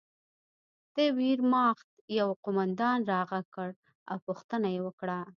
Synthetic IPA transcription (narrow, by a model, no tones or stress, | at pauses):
t̪ewiɾmɑxt̪̚jawqomand̪ɑnɾɑɣakəɽ | a̰wpʊxt̪ənajewəkɽa